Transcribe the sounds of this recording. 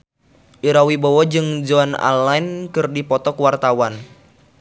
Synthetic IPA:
ʔiɾawibɔwɔd͡ʒɨŋd͡ʒɔana̰lainkɨrdipɔt̪ɔkwart̪awan

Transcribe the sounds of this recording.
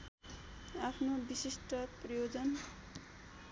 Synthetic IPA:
apʰnobisisʈʌprʌjod͡zʌn

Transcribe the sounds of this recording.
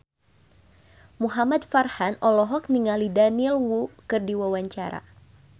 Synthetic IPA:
muɦamat̪farhanɔlɔɦɔkniŋalidanilwukɨrdiwawaɲt͡ʃaɾa̰

